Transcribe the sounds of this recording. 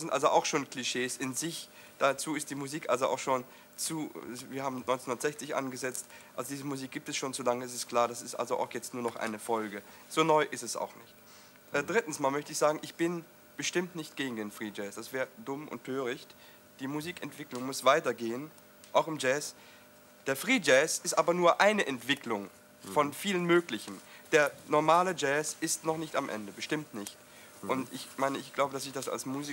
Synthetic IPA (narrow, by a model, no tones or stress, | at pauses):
sɪntʔa̰lzoʔa̰ʊxʃoːnkliʃeːsɪnzɪç | d̥at͡suːɪst̚d̥iːmuziːkʔa̰lzoʔa̰ʊxʃoːn | t͡suːviːɐhaːbm̩nɔʏnt͡senhʊnɐtz̥ɛçt͡sɪçʔa̰nɡəzɛt͡stʔalzodiːzəmuziːk̚ɡ̥iːp̚tɛsʃoːnzolaŋəɛs̬ɪstkʰl̥aːɐɾasɪstʔa̰lzoʔa̰ʊxjɛt͡stnuːɐnɔχʔa̰ɪnəfɔlɡə | z̥oːnɔʏʔɪstɛsa̰ʊxnɪçt | ʔɛdʁɪtn̩smaːlmœçtəɪçz̥aːɡŋ̩ɪçb̥ɪn | b̥əʃtɪmtnɪçt̚ɡ̥eːɡŋ̩deːnfʁ̥iːd͡ʒɛːsd̥asv̥ɛːɐdʊmʔʊ̰ntʰːøːʁ̞ɪçt | d̥iːmuziːkɛntv̥ɪklʊŋmʊsv̥aɪtɐɡeːən | ʔaʊxɪmd͡ʒɛːs | d̥eːɐfʁ̥iːd͡ʒɛːsɪstʔaːbɐnuːɐʔaɪnəʔɛntv̥ɪklʊŋ | fɔnfiːlənmøːklɪçən̩d̥eːɐnɔɐmaːləd͡ʒɛːsɪstnɔχnɪçtamʔɛ̰ndəbəʃtɪmtnɪçt | ʔʊntɪçmaɪnəɪçɡ̥laʊbədasɪçd̥asa̰lsmuzi